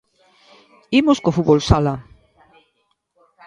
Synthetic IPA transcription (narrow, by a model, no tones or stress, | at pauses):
imoskofuβolsala